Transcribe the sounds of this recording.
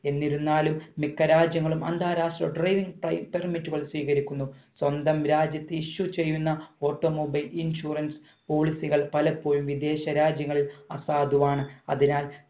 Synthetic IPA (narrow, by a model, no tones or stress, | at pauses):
e̞nːiɾunːaːlumːikːɐɾaːd͡ʑjɐŋːɐɭumɐnd̪ʱaːɾaːʂʈrɐ̰ɖrɐjʋiŋɡpɐpermitːuɣɐɭsʋiːɣɐɾikʲːunːuswɐnd̪ɐmɾaːd͡ʑjɐt̪ːɨiɕːut͡ɕe̞jːunːɐo̞ːʈːoːmobɐjlinɕuːrɐns | po̞ːɭisiɣɐɭpɐlɐpːo̞ːjumʋid̪e̞ːɕɐɾaːd͡ʑjɐŋːɐɭilɐsaːd̪uʋaːɳɨɐ̰ðinaːl